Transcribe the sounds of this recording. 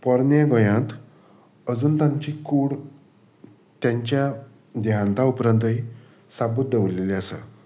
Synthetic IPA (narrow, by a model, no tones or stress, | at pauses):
pəɾnjaɡɔjãt̪ | əd͡zuːnt̪aɲt͡ɕiːkuɽ | t̪jãɲt͡ɕja | d̪eɦãnt̪aupɾənt̪əɦi | sabut̪̚d̪eʋleliəsə̰